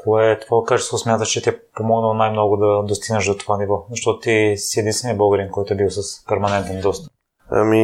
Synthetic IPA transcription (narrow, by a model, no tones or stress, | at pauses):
koɛt̪ovakat͡ʃɛst̪vosmʲjat̪əʃt͡ʃɛt̪iɛpomɔɡnəlˠonajmnɔɡʊd̪ɐd̪ost̪iɡnəʃd̪ot̪ovanivɔzɐʃt̪ɔt̪ʊ̥t̪isiɛd̪inst̪vɛniəboɡəɾinkɔjt̪ʊɛbilˠsəspɛɾmɐnɛnt̪ɛnd̪ɔst̪ə̥ | a̰mi